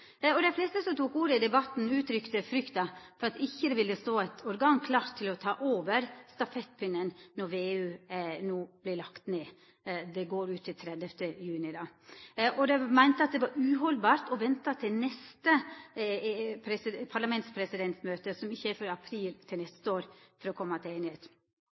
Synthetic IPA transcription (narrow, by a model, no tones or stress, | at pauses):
ɔd̪ɛɪflɛst̪əsɔmt̪ʰuːkuːɾəɪd̪ɛbɑt̪n̩ʉːt̪ɾʏkt̪əfɾʏkt̪ɑfɔɾɑt̪ɪçːəd̪ɛʋɪlːəst̪oːæɪt̪ʰɔɾɡɑːnkʰlɑːɾt̪ʰːɪlɔt̪ʰɑːʔoːʋəɾst̪ɑfɛt̪̚pʰʏnːənnɔɾʋeːʉːnuːb̥lɪlɑkt̪neː | d̪ɛɡoːɾʉːt̪ʰːɪlt̪ʰɾɛd̪əft̪əjʉːnɪd̪ɑʔɔd̪ɛmæɪnt̪əɑt̪̚d̪ɛʋɑɾʉːɦɔlbɑːɾʈ̪ɔʋɛnt̪ɑt̪ʰɪlnɛst̪ə | pʰɾɛsɪpʰɑɭɑmɛnt̪spʰɾɛsɪd̪ɛnt̪smøːt̪əsɔmɪçːəæɾfɔɾɑpʰɾiːlt̪ʰɪlnɛst̪əoːɾfɔɾɔkʰɔmːɑt̪ʰɪeːnɪheːt̪